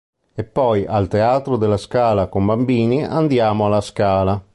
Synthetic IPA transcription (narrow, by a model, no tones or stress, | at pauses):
epːɔjalt̪eaːt̪ɾod̪elːaskaːlakombambiːnia̰nd̪jaːmoalaskaːla